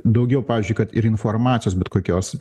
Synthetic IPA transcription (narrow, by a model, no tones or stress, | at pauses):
d̪ɐʊɡʲɛʊpɑːʋʲiːzʲd͡ʒʲʊɪkɐt̪ɪɾɪnfoːrmɑːt͡sʲsʲɪjoːsbʲɛt̪koːkʲoːs